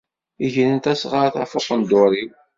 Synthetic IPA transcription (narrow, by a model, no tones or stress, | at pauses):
iʝələnt̪æsʁəɾθæfʊqənd̪ʊɾi